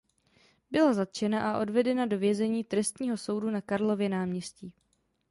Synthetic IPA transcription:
bɪlazat̪̚t͡ʃɛnaʔaʔo̞dvɛdɛnado̞vjɛzɛɲiːt̪ɾɛst̪ɲiːɦo̞so̞wdunakaɾlo̞vjɛnaːmɲɛsciː

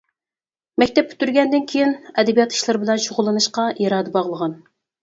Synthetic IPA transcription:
mɛkʲt̪ɛpːʰy̥t̪yɾɡʲɛnd̪ɪnkʲʰejinɛd̪ɛbijɑt̪i̥ʃlˠɨɾbɪlɛnʃoʁʊlˠːɨnɨʃqɑjɑɾɑːd̪ɨbɑʁlˠəʁɑn

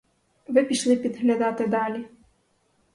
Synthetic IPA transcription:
ʋɪpʲiʃlˠɪpʲid̪ɣlʲad̪ɑt̪ɪd̪ɑlʲi

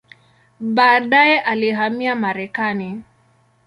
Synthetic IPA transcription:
ɓaːɗajɛʔaliɦamiamaɾɛkani

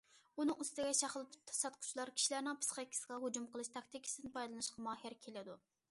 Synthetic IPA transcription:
unɨŋust̪ɪɡʲɛʃɑχlˠɨt̪ʰu̥p̚t̪ʰɑ̥sɑt̪kʰʊ̥t͡ʃʰilˠɑɾkʲʰi̥ʃilæɾnɪŋpʰɨ̥sχɑkʲʰːi̥səʁɑɦud͡ʒumqəlˠɨʃt̪ʰɑk̚t̪ikʲʰi̥sɨɪd̪ɨnpʰɑjd̪lˠɨnɨʃqɑmɑːhɪɾkʲʰelɪd̪u

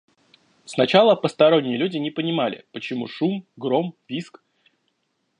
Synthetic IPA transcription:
snɐt͡ɕalˠəpəst̪ɐɾo̞nʲːɪjəlʲudʲɪnʲɪpənʲɪmalʲɪ̰pət͡ɕɪmṵʂumɡɾo̞mvʲisk

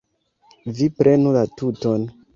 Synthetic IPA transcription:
vipɾʔe̞nulatuton

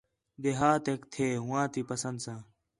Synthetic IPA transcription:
d̪eɦaːt̪eːkt̪ʰeːɦʊ̃ːãːt̪iːpəsə̃nd̪sãː

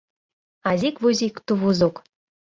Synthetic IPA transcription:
azʲikvuzʲikt̪uβuzuk

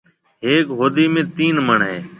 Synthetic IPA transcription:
ɦeːkɦoːd̪iːmẽːt̪iːnməɳɦeː

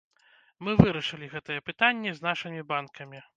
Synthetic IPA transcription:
mɨvɨɾɐʂɨlʲiɣɛt̪ɐjɛpɨt̪anʲːɛznaʂɨmʲibankɐmʲi

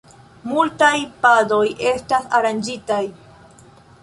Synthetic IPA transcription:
multajpado̞je̞stasaɾand͡ʒitaj

